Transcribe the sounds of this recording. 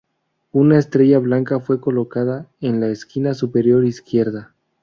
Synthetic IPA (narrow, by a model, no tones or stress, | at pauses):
unaest̪ɾe̞ʝaβlaŋkafwe̞ko̞lo̞kaðaenlaeskinasupe̞ɾjo̞ɾiskje̞ɾða